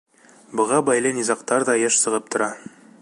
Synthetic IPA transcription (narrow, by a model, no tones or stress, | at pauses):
bɤ̆ʁɑbɑjlˠɤnizɑqt̪ɑɾðɑjɤʃsɤ̆ʁɤp̚t̪ŏɾɑ